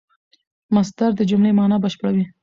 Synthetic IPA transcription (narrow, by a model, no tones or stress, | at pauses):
mas̬d̪aɾd̪əd͡ʒomlemɑnɑbəʃpəɽawi